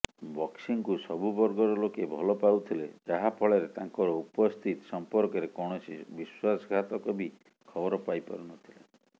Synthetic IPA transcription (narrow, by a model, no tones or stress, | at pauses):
bɔksiŋkusɔbubɔɾɡɔɾɔlokebʱɔlɔpaut̪ʰilḛd͡ʒaɦapʰɔɭeɾet̪aŋkɔɾɔupɔst̪ʰit̪ɔ̥sɔmpɔɾkɔɾekɔɽ̃ɔsibiswasɡʱat̪ɔkɔbi | kʰɔbɔɾɔpajpɔ̰ɾunɔt̪ʰile